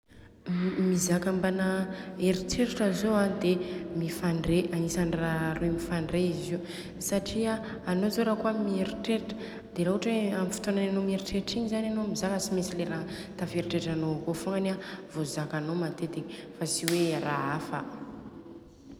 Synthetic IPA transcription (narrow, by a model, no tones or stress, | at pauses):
mizakambanaeɾiʈ͡ʂeɾiʈ͡ʂəzoad̪emifaɳɖ͡ʐeʔanisanraɾumifaɳɖ͡ʐeiziu | saʈ͡ʂia | anozoɾakuamieɾiʈ͡ʂeɾiʈ͡ʂə̥ | d̪eɾaɦuʈ͡ʂeamifu̥t̪onananomieɾiʈ͡ʂeɾiʈ͡ʂiɲizananomizakasimesileɾat̪afeɾiʈ͡ʂeʈ͡ʂanokofoŋanavozakanomat̪ed̪eɲi̥fasiweɾaafə